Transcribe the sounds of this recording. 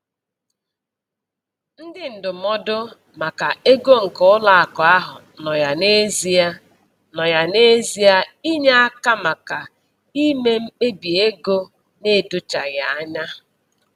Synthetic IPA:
n̩˦dɪ˦n̩˨dʊ˨mɔ˦dʊ˦ | ma˨ka˨e˦ɡo˦ŋ̩˨kʊ˦ʊ˦la˦˨a˨kɔ˨a˦ɦʊ̰˨ | nɔ˨ja˨ne˦zi˦a˦ | nɔ˨ja˨ne˦zi˦a˦i˦ɲa˦a˦ka˦ma˨ka˨ | i˦me˦m̩˦k͡pe˦bi˨e˦ɡo˦ | ne˦˨dʊ˦t͡ʃa˨ɣa˨a˦ɲa˦

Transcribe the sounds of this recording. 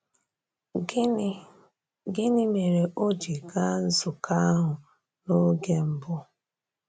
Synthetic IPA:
ɡɪ˦nɪ˦me˨ɾe˨ʔo˦d͡ʒi˨ɡa˦n̩˦zʊ˨kʰa˦ɦʊ˨ | no˦ɡe˦m̩˨bʊ˦

